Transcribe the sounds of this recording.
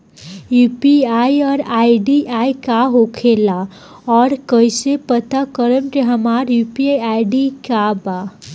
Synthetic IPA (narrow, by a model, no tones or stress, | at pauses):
jupiajɔːɾajɖiʔajkaɦokʰela | ɔɾkəjsepət̪akəɾəmɾeɦəmaɾjupiajajɖikaba